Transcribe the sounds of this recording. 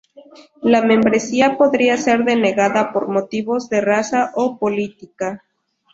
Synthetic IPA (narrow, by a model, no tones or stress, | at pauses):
lamẽ̞mbɾe̞siapo̞ðɾiase̞ɾðe̞ne̞ɣaðapo̞̰ɾmo̞t̪iβo̞zðe̞rasaʔopolit̪ika